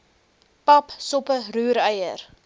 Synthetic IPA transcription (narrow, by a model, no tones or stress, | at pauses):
pɐpsɔpəruːɾəjə̰r